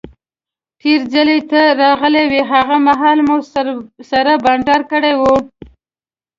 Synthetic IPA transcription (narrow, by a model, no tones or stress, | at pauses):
ʈeɾzəlet̪aɾɑɣəleweɦaɣamaɦɑlmussaɾabɑɳɖɑɾkəɽewu